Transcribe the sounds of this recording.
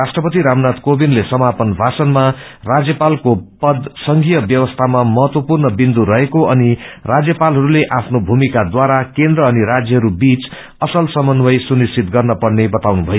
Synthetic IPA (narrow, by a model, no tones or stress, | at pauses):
rasʈrʌpʌt̪iɾamnat̪kobinlesʌmapʌnbʱasʌnmarad͡zjʌpalkopʌd̪sʌŋɡijʌbjʌwʌst̪ʰamamʌɦʌt̪wʌpurnʌbind̪uɾʌɦekoʌnirad͡zjʌpalɦʌɾuleʔapʰnobʱumikad̪waɾakend̪ɾʌːniɾad͡zjʌɦʌɾubit͡s | ʌsʌlsʌmʌnbʌjsunist͡sʰit̪̚ɡʌrnʌpʌɽnebʌt̪awnubʱʌjo